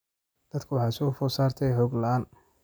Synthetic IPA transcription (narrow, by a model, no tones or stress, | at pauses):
d̪̥ɐd̪kʰʊwɑħɑsɔːfɔsaːrt̪ʰɛjħɔːɡlɐʔaːn